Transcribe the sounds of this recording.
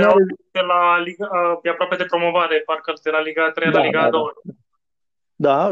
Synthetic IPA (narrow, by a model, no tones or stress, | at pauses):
at̪elaliɡabjapɾapjad̪epɾomovaɾepaɾkəɾt̪elaliɡat̪ɾelaliɡad̪o | d̪a